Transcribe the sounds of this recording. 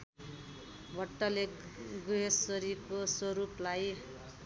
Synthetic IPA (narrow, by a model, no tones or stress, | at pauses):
bʱʌʈːʌleɡuɦesʌɾikosʌɾuplaj